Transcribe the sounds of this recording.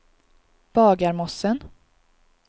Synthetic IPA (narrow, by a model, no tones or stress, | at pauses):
b̥ɑːɡaɾmɔsən